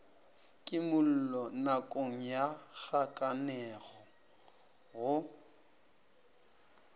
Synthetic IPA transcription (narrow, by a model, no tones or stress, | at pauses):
kʼɪmʊl̩lɔnakʼoŋ̩jak͡xakʼanɛɣɔ | ɣʊ